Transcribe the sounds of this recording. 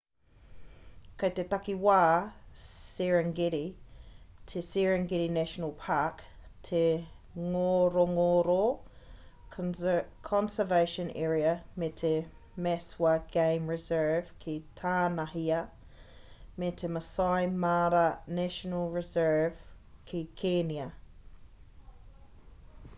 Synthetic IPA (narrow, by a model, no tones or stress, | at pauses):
kʰət̪et̪akiwaː | sɛɹəŋɡɛɾi | tʰesɛɹəŋɡɪɾinæʃənəlˠpʰaktʰe | ŋoɾoŋoːɾo | kʰɔ̃nsəveɪʃə̃nɛ̰ːɹiəmɛtʰe | mɛswaɡ̥ẽɪ̃mɹɪzɜːv̥kʰitʰaːnahiə | mɛtʰeməsaɪmaːɾənæʃənəlˠɹɪzɜːv̥ | kʰikʰenjə